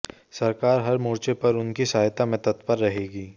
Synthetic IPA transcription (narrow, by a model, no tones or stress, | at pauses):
sɐɾkaːɾɦɐɾmoːɾt͡ʃepɐɾʊnkisaːjt̪amẽt̪ɐt̪pəɾːɐɦeːɡiː